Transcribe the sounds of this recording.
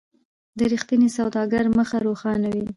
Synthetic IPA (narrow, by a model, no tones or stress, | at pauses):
d̪əɾixt̪inisawd̪ɑɡaɾməxaɾoxɑnawi